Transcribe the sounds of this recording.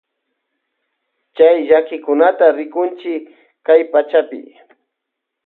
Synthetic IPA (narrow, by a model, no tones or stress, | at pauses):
t͡ʃajʎakɪkʊnat̪aɾɪkʊnt͡ʃɪ | kajpat͡ʃapɪ̰